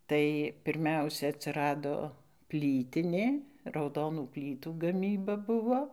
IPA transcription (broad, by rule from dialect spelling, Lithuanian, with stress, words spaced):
ˈtɐɪ pʲɪrʲˈmʲɛʊsʲɛ ɐtʲsʲɪˈrɑːdoː ˈpʲlʲiːtʲɪnʲeː rɐʊˈdoːnuː ˈpʲlʲiːtuː ɡɐˈmʲiːbɐ ˈbʊʋoː